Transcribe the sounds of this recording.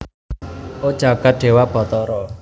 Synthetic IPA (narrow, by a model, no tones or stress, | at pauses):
od̥ʒ̥a̤ɡ̥a̤t̪̚ɖ̪̥e̤wab̥ɔ̤t̪ɔɾɔ